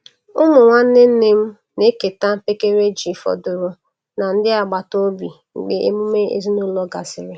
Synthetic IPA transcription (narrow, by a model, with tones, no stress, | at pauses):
ʊ˦mʊ˨ŋʷa˦n̩˦nɪ˦n̩˦ne˦m̩˦ | ne˦ke˨ta˦m̩˦pe˦ke˦ɾe˦d͡ʒi˨fɔ̰˨dʊ˨ɾʊ˨ | na˨n̩˦dɪ˦a˨ɡ͡ba˨to˦bi˨ | ŋ͡m̩˨ɡ͡be˦ʔḛ˦mʊ˦me˦ḛ˨zi˦nʊ˦lɔ˦ɡa˨sɪ˨ɾɪ˨